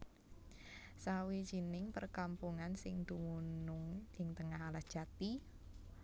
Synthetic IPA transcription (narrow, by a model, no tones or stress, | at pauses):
sawid͡ʒ̥inɪŋpərkampuŋansɪŋd̪̥umunʊŋʔɪŋt̪əŋaɦalahd̥ʒ̥at̪i